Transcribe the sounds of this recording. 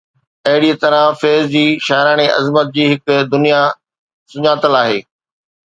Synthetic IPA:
ɐɦɪɽiet̪ɐɾãfeːzd͡ʑiːʃaːɾaːɽ̃eʔɐ̰zmət̪̚d͡ʑiːɦɪkd̪ʊnija | sʊɲaːt̪əlaːɦḛː

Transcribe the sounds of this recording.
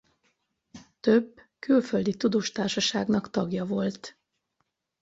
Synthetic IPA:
t̪ø̞bː | kylføld̪it̪ud̪oːʃt̪aːrʃɒʃaːɡnɒkt̪ɒɡjɒvo̞lt̪

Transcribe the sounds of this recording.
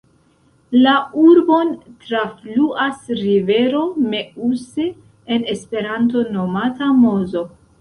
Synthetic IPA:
lauɾbo̞ntɾafluʔasɾive̞ɾo̞me̞use | ene̞spe̞ɾanto̞no̞matamo̞zo̞

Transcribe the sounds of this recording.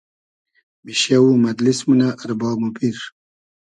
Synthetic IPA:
miʃjawumad̪lismunaʔːɾbɑːmupiɾ

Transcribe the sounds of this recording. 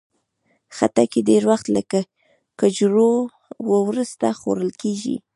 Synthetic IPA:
xat̪akeɖeɾwaxt̪ləka | kəd͡ʒɾo | wəwɾəst̪axo̰ɾəlkeʒḭ

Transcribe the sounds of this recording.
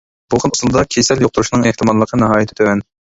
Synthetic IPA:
b̥ulˠqʰənusulˠd̪ɑkʲʰesɛljoq̚t̪uɾuʃinɨŋeht̪ɨmɑlˠːəqʰənɨɦɑːjɪt̪ʰɪt̪ʰøwɛn

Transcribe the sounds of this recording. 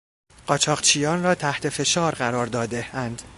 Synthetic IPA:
ɢ̥ɒːt͡ʃʰɒːʁt͡ʃʰiːjɒːnrɒːt̪ʰæht̪ʰe̞fe̞ʃɒːɾɢæɾɒːɾd̪ɒːd̪eænd̪̥

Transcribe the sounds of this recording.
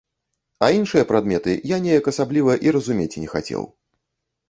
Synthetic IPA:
ainʂɨjɐpɾad̪mʲɛt̪ɨ̰janʲejɐkɐsablʲivɐʔiɾɐzumʲet͡sʲinʲɛxa̰t͡sʲɛ̰w

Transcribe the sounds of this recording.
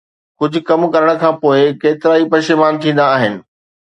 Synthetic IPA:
kʊd͡ʑʱʊ̆kɐmkɐɾəɽ̃ə̆kʰãːpoːɪkeːt̪ɪɾaːipɐʃɪmaːnt̪ʰĩːn̆d̪aːɦɪnɪ̆

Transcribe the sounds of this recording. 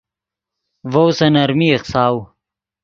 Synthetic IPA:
vowsɐnɐɾmieqsaːw

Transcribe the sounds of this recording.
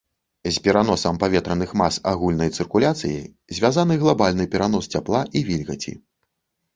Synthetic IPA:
zʲpʲɛɾanɔsɐmpavʲɛt̪ɾɐnɨxmasaɣulʲnɐjt̪sɨrkulʲat̪sɨjḭ | zʲvʲazanɨɣlˠabalʲnɨpʲɛɾanɔst͡sʲaplˠaʔivʲilʲɣɐt͡sʲḭ

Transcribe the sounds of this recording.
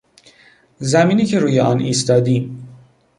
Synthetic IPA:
zæmiːniːcʰe̞ɾuːjeʔɒnʔiːst̪ɒːd̪iːm

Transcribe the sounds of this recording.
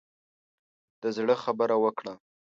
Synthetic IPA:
d̪̥əzɽəxabəɾawəkɽa

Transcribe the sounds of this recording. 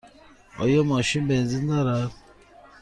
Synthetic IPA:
ɔ̰jɔmaʃibenzinaɾa

